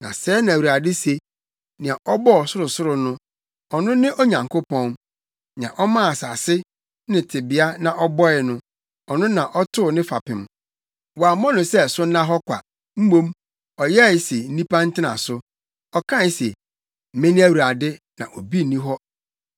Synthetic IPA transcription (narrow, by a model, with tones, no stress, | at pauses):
nã̰˨sɛː˦nã˨wu˨a˨dɪ˦se˦ | nɪ̃˨ã˨ʔɔ˦bɔ˦˨sʊ˦ɾʊ˨sʊ˦ɾʊ˨nʊ̃˦ | ɔ˨nʊ̃˦nɪ̃˦ʔo˦ɲã˨ŋkʰʊ˦pɔ̃˦n | n˨ã̰˨ʔɔ˦mã˦a˨sa˨sɪ˦ | nɪ̃˨tʰɪ˨bɪ˨a˦nã˨ʔɔ˦bɔ˦ɪ˨nʊ̃˦ | ɔ˨nʊ̃˦nã˨ʔɔ˦tʰʊ˦ʊ˨nɪ̃˦fa˨pɪ̃˨m | wɔ˨a˨mɔ̃˦nʊ̃˨sɛ˦sʊ˦nã˦ɦɔ˦kʷʰa̰˨ | m̩˦mõ˦m | ɔ˨jɛ˦ɪ˨˦se˨n̩˦ĩ˦pã˦n̩˦tɪ˦nã̰˨sʊ˦ | ɔ˨kʰã˦˨˦sḛ˨ | m̩˨mẽ˦nɪ̃˦æ˦wu˨a˨dɪ˦ | nã̰˨ʔo˨bi˦˨nĩ˦ɦɔ˦